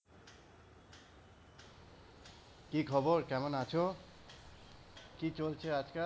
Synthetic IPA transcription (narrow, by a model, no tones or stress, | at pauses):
kikʰɔbɔɹkɛmɔnat͡ʃʰɔ | kit͡ɕolt͡ʃʰead͡ʒka